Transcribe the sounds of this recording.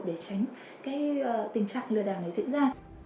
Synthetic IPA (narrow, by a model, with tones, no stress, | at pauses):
ɗe˧˩t͡ɕa˨˦jŋ̟ | kaː˨˦jt̪ï˨˧˩ŋ̟t͡ɕa̰ː˧˨ŋlɨ˨əɗaː˧˩na˨˩jzḭ˧ənzaː˧